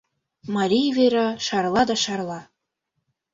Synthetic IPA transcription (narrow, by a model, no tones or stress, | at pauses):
mɑɾʲijveɾɑʃɑrlˠɑd̪ɑʃɑrlˠɑ